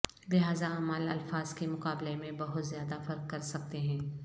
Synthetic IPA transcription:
lɪɦaːzaaːmalɐ̰lfaːz̥kemʊqaːblemẽbɐɦʊt̪zjaːd̪afɐɾqːɐɾsɐk̚t̪eɦɛ̃ː

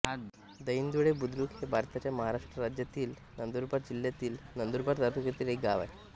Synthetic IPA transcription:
d̪əjind̪uɽebud̪ɾuːkɦebʱaɾt̪at͡ɕjaməɦaɾaʂʈɾəɾad͡ʑjat̪iːl | nənd̪uɾbaɾd͡ʑiljat̪iːlnənd̪uɾbaɾt̪aɾt̪ukɾet̪iːlɦekɡaʋa̰j

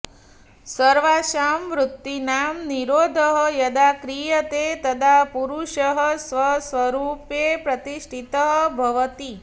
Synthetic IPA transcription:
səɾʋaʃamʋɾut̪ːinaːmniɾoːd̪ʱəɦəjɐd̪akɾijət̪et̪ɐd̪ʰapuɾuʃəɦəsʋəsʋɐɾuːpjepɾɐt̪iʂʈʰit̪əɦbʱɐʋət̪i

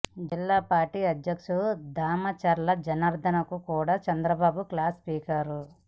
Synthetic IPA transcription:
d͡ʒilːaːpaːɾʈiːɐd̪jɐkʂud̪ʱaːmɐt͡ʃɐɾlɐd͡ʒɐnɐɾd̪ʱɐnɐkukuːɽaːt͡ʃɐnd̪ɾɐbaːbuklaːspiːkɐɾu

